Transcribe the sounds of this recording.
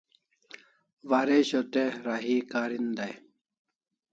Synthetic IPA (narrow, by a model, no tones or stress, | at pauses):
ʋaɾeɕot̪eɾaɦiːkaːɾind̪aj